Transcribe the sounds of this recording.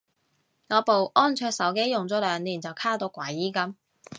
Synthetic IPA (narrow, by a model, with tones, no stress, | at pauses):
ŋɔː˨˧po˨wʔɔː˥nt͡ʃʰœː˧ksɐ˨˥wke˥jːʊ˨ŋt͡sɔː˨˥lœː˨˧ŋniː˨˩nt͡sɐ˨wkʰaː˥t̪o˨˧˥wkʷɐ˨˥jːiː˥kɐ˥m